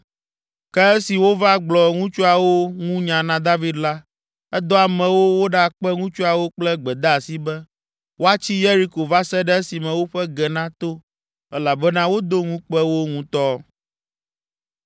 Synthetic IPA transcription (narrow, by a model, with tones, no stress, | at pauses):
kɛ˦ɛ˦si˨wo˦va˦ɡ͡blɔ˨ŋũ˦t͡ʃu˦a˨wo˦ŋũ˦ɲã˨nã˦d̪a˦vi˦d̪la˦ | ɛ˦d̪ɔ˦a˨mɛ̃˨wo˦wo˦ɖa˦˨k͡pɛ˦ŋũ˦t͡ʃu˦a˨wo˦k͡plɛ˦ɡ͡bɛ˨d̪a˦a˨si˦bɛ˦ | wʔo˦a˦t͡ɕi˦je˦ɾi˦ko˨va˦sɛ˦ɖɛ˦ɛ˦si˨mɛ̃˨wo˦ɸɛ˦ɡɛ˨nã˦t̪o˦ | ɛ˦la˨bɛ˦nã˦wo˦d̪o˦ŋũ˦k͡pɛ˦wo˦ŋũ˦t̪ɔ˦